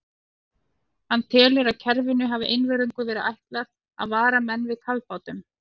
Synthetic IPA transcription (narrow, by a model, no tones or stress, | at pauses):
hanːt̪ʰɛːlɪɾaðcʰɛɾvɪnʏɦaːvɪʔejnvɛɾʏŋkʏvɛːɾɪʔajht̪laɾ | a̰ðvaːɾamɛnːvɪðkʰalpaːwt̪ʏm